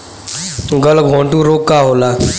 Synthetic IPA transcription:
t̪ũːɡəlɡʱõːɳʈũːɾoːkːaːɦoːlaː

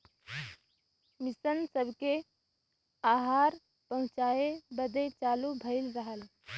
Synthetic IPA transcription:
mɪsənsəbʱke | aːɦaːɾ | pəɦʊ̃t͡ʃaːebəd̪et͡ʃaːlubʱəɪlɾəɦəl

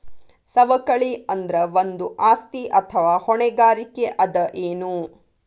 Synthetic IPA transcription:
sɐʋɐkɐɭiɐnd̪ɐɾɐʋond̪uʔaːst̪iʔɐt̪ʰɐʋaːhɔɳɛɡaːɾikeʔɐd̪ɐʔeːnu

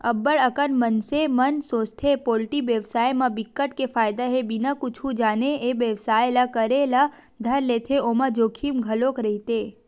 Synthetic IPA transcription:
əbəɭəkənmənsemənsot͡ʃt̪ʰepolʈiʋjəʋsajmãbɪkːəʈkefajd̪aɦebinakʊt͡ʃʰũd͡ʒaneeʋjəʋsajlakəɾela | d̪ʱəɾlet̪ʰeomãd͡ʒokʰimɡʱəlokɾɛɦit̪e

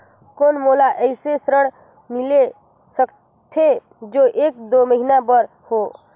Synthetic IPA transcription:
konmolaʔəɪsesɾəɽ̃ | mile | sək | t̪ʰe | d͡ʒoʔek̚d̪oməɦinabəɾ | ho

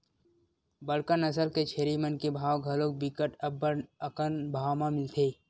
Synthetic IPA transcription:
bəɽkənəsəɾket͡ʃʰeːɾimənkebʱaːwɡʱɐlok̚bɪkəʈɐbːəəkənbʱaːmãmɪlt̪ʰeː

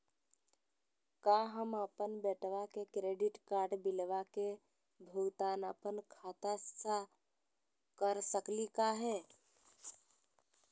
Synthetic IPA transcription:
kaɦəməpənbɛːʈʋakekɾeːɖɪʈkaːɾɖbɪlʋake | bʱʊɡt̪aːnapənkʰaːt̪asa | kəɾsəklikaɦɛː

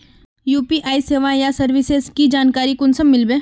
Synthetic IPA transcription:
juːpiʔaːiseːʋajasɐɾʋɪsezkid͡ʒaːnkaːɾikʊnsɐmːɪlbẽː

